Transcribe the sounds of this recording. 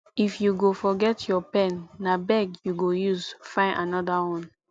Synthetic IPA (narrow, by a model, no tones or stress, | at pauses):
ifjuɡofɔɡɛtʰjɔpɛ̃nːabɛɡjuɡojuzfãɪnʔanɔdawɔ̃n